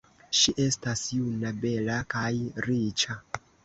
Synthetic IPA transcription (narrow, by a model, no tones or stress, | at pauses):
ʃiʔe̞stasjunabe̞lakajɾit͡ʃa